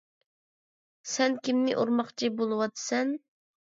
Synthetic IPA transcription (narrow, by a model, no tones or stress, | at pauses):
sɛnkʲimnɪ̰ʔoɾmɑχt͡ʃʰibolˠɨwɑt̪sɛn